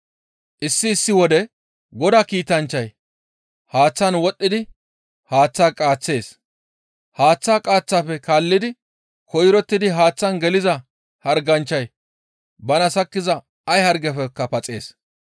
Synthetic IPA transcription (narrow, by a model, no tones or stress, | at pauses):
ʔɪsːɪːsːɪwɔd̪ɛ | ɡɔd̪aːkiːt̪ɐnt͡ʃːɐj | haːt͡sːɐnwɔɗʼːɪd̪ɪ | haːt͡sːaːkʼaːt͡sːe̞ːs | haːt͡sːaːkʼaːt͡sːaːfɛkaːlːɪd̪ɪ | kɔjɾɔt̪ːɪd̪ɪɦaːt͡sːɐnɡɛlɪzɐ | hɐɾɡɐnt͡ʃːɐj | bɐnɐsɐkːɪzɐ | ɐjhɐɾɡɛfɛkːɐpɐt͡sʼe̞ːs